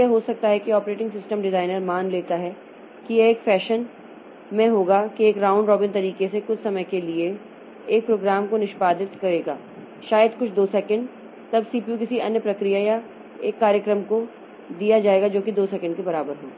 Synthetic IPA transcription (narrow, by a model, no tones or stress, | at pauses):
jɛɦosɐk̚t̪aɦɛkiɔːpɾeːʈɪ̃ŋɡsɪsʈəmɖɪzaːɪnəɾmaːnleːt̪aɦɛ | kijeeːkfɛːʃən | mɛ̃ɦoːɡakieːkɾãːʊ̃ɳɖɾɔːbɪnt̪ɐɾiːkesekʊt͡ʃʰsɐməjkelieː | k̚pɾoːɡɾaːmkonɪʃpaːd̪ɪt̪kɐɾeːɡa̰ː | ʃaːjəd̪kʊt͡ʃʰd̪oːsɛkə̃ɳɖ | t̪ɐbsiːpjuk̬ɪsiɐ̰njəpɾɐkɾijaja | eːkːaːɾjəkɾəmko | d̪ijad͡ʒaːeːɡad͡ʒoːkid̪oːsɛkə̃ɳɖ̚kebɐɾaːbəɾɦo̰ː